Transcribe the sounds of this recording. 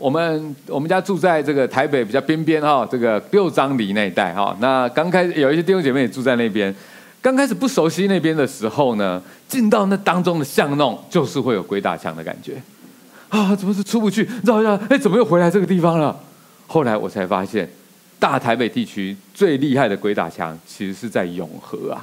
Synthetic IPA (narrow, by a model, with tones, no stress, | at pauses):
wɔ˨˩mə˨˦nwɔ˨˩mə˦nt͡ɕja˥ʈ͡ʂu˥˧t͡sa˥˧ɪʈ͡ʂɤ˥˩ɡə˩t̪ʰa˧˥ɪp̬e˨˥ɪpi˨˩t͡ɕɑ˥˩pjɛ˥npjɛ˦˥nxɔ˨ʈ͡ʂɤ˥˩ɡə˩ljo˥˨˧ʊt͡sɑ˥ŋli˨˩˦na˥˧i˥t̪a̰˥˩ɪxɔ̰˩na˥˧kɑ˥ŋkʰa˥ɪʂjo˨˩ʊi˥˩ɕjɛ˥t̪̬i˥˩o˥ŋt͡ɕjme˥˩jɛ˨˩ʈ͡ʂu˥˧t͡sa˥˧ɪna˥˩ɪp̬jɛ˦n | kɑ˥ŋkʰa˥ɪʂ̬ɻ̩˨˩pu˥˩ʂo˧˥ʊɕi˥na˥˩ɪp̬jɛ˥nd̪ə˨ʂɻ̩˧˥xo˥˩ʊnə˩ | t͡ɕi˥˧nt̪ɑ˥˧ʊna˥˩t̪ɑ˥ŋt͡sʊ˥ŋd̪ə˨ɕjɑ˥˧ŋnɔ˥˨˩ŋt͡ɕjo˥˧ʊʂɻ̩˥˧xwe˥ɪjo˨˩ʊkwe˧˥ɪt̪a̰˨˩t͡ɕʰjɑ̰˧˦ŋd̪ə˨˩ka̰˨˩nt͡ɕɥɛ˧˥˦ | ɔ˥˩t͡sə˨˩mə˦ʂɻ̩˥˩ʈ͡ʂʰu˥pu˧t͡ɕʰy˥˩ʈ͡ʂɑ˥˧ʊ˥e˥˩t͡sə˨˩mə˦jo˥˩ʊxwe˧˥ɪa˧˥ɪʈ͡ʂɤ˥˩ɡə˩t̪̬i˥˩fɑ˩ŋlə˨ | xo˥˩ʊla˧˥ɪwʔɔ̰˨˩t͡sʰa˧˥ɪfa̰˥ɕjɛ̰˥˨n | t̪a˥˩t̪ʰa˧˥ɪpe˨˩ɪt̪i˥˩t͡ɕʰy˥t͡swe˥˧ɪli˥˧xa˥ɪd̪ə˩kwe˧˥ɪt̪a̰˨˩t͡ɕʰjɑ̰˧˥˦ŋt͡ɕʰi˧˥ʂɻ̩˧˥ʂɻ̩˥˧t͡sa˥˩ɪjʊ̰˨˩ŋxɤ̰˧˥ɐ̰˨